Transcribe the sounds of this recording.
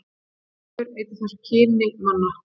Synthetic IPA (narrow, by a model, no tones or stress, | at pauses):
ʏɾejt̪ɪθascʰɪːnɪmanːa